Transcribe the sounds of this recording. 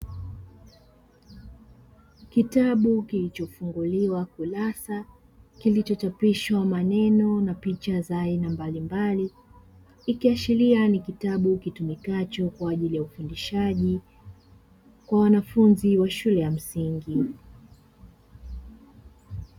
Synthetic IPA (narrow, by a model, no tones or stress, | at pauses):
kitaɓukilit͡ʃɔfuŋɡuliwakulasa | kilit͡ʃɔt͡ʃapiʃwamanɛnɔnapit͡ʃazaːinambalimbaliː | kiaʃilianikitaɓukitumikat͡ʃɔkwaːʄilijaufundiʃaʄi | kwawanafunziwaʃulɛjam̩siŋɡi